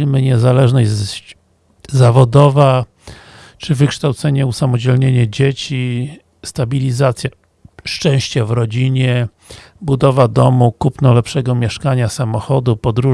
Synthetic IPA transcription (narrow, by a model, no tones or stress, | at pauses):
ilmɘɲɛzalɛʐnɛ | zavɔd̪ɔva | t͡ʂɘvɘkʂt̪awt̪sɛɲɛusamɔd͡ʑɛlɲeɲɛd͡ʑet͡ɕi | st̪abʲilʲizat̪sʲja | ʂt͡ʂɛ̃w̃ɕt͡ɕɛvɾɔd͡ʑiɲɛ | bud̪ɔvad̪ɔmukupnɔlɛpʂɛɡɔmʲjɛʂkaɲasamɔxɔd̪upɔd̪ɾu